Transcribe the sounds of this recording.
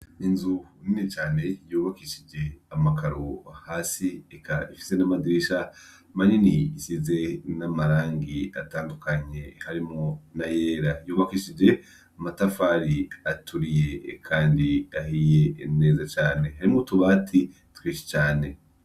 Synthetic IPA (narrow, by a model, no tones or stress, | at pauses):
inzuninit͡ʃaːne̞juːβakiʃid͡ʒe̞amakaɾoahaːsiekʰaifi̥se̞namadiɾiʃa | maniniisize̞namaɾaːŋɡia̰taːndukaɲe̞haɾimŋonajeːɾajuːβakiʃid͡ʒe̞ | amatafaːɾiatʰuɾije̞kʰaːndiaɦijene̞ːzat͡ʃaːne̞haɾimŋotuβatʰi | twiːt͡ʃe̥t͡ʃaːne̞